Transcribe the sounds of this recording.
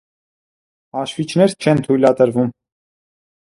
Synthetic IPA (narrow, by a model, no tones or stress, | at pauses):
ɑʃvit͡ʃʰnɛɾt͡ʃʰɛnt̪ʰujlɑt̪əɾvum